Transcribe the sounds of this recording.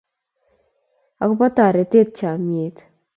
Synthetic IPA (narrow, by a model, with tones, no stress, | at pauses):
a˨kʊ˦pɔ˦ta˨ɾe˨te˦t̚t͡ʃa˨mje˨t